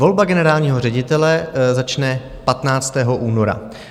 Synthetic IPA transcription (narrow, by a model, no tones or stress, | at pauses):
vo̞lbaɡɛnɛɾaːlɲiːɦor̝ɛɟɪt̪ɛlɛzat͡ʃnɛ | pat̪naːt͡st̪ɛːɦoʔuːno̞ɾa̰